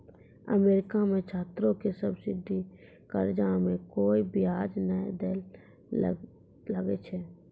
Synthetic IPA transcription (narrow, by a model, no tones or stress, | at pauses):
ə̰meːɾɪkamẽt͡ʃʰaːt̪ɾõkesəbsɪd̪ʱi | kəɾd͡ʒaːmẽkoːibɪjaːd͡ʒnəid̪eːl | ləɡet͡ʃʰɛː